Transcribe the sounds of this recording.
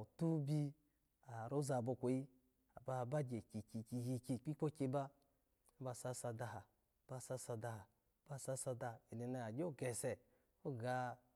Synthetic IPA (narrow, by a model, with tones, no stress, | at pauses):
tu˦bi˧ | a˨ɾo˦za˧˨bo˧kʷo˨i˦ | a˨ba˧ba˦d͡ʒe˨ki˨ki˧ki˧ji˧ki˧k͡pi˦k͡po˦ke˧˦ba˦ | a˨˦ba˧˨sa˧˨sa˧da˧ɦa˨ | b̥a˧˨sa˦sa˧da˧ha˨˦ | b̥a˧˨sa˧sa˧da˧˨i˨ni˨na˧a˨d͡ʒe˦˨ɡɛ˨sɛ˨ | o˦ɡa˧˦